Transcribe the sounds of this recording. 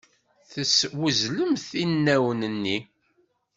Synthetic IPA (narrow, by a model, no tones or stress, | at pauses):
θəswəzləmθinːæwənənːi